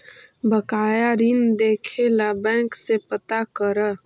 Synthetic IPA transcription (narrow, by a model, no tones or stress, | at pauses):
bəkaːjaɾind̪eːkʰelabɛ̃ːksepət̪akəɾə